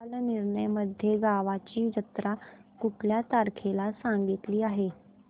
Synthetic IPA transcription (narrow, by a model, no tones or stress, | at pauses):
lniɾɳəjməd̪ʱːjeɡaʋat͡ɕiːd͡ʑət̪ɾakuʈljat̪aɾkʰelasaŋɡit̪liːaɦe